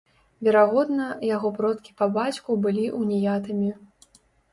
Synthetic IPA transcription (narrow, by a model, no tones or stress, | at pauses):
vʲɛɾaɣɔd̪nɐjaɣɔpɾɔt̪̚kʲi̥pɐbat͡sʲkubɨlʲiʔunʲijat̪ɨmʲi